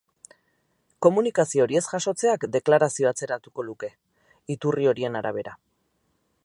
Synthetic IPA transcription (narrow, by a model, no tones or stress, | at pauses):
ko̞munikasio̞ɾie̞sʝaʃo̞t͡se̞akd̪e̞klaɾasio̞at͡se̞ɾat̪uko̞luke̞ | it̪urio̞ɾie̞naɾaβ̞e̞ɾa